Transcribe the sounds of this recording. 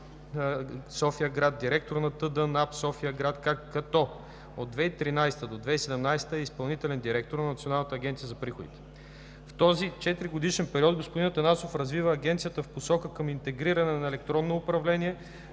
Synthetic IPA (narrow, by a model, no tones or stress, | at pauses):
sɔfijəɡɾad̪̚d̪iɾɛk̚t̪oɾnɐt̪ɤd̪ənapsɔfijəɡɾat̪kakɐt̪ɔ | od̪d̪vɛit̪ɾinajst̪əd̪od̪vɛisɛd̪ɛmnajst̪əɛispɐlˠnit̪ɛlɛnd̪iɾɛk̚t̪oɾnɐnɐt̪sionalˠnət̪əɐɡʲɛnt̪iəzɐpɾixʊd̪ḭt̪ɛ̥ | ft̪ɔzit͡ʃɛt̪ɾiɡʊd̪iʃɛnpɛɾiɔd̪̚ɡospod̪int̪ɐnasofɾɐzvivəːɡʲɛnt̪sijət̪əfposɔkəkɤmint̪ɛɡɾiɾɐnɛnɐɛlɛk̚t̪ɾɔnːoːpɾɐvlɛnʲiɛ